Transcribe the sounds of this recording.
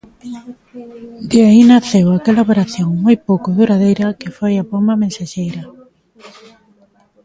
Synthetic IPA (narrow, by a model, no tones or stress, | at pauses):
d̪iainaθewakelaopeɾaθjoŋmojpowkʊðuɾaðejɾɐkefojapomɐmẽnsaʃejɾɐ